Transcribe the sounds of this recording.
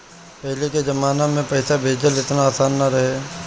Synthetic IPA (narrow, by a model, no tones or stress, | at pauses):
pɛɦleked͡ʒɐmaːnamẽpɛɪsabʱeːd͡ʒəlɪt̪naːsaːnːaɾɐɦeː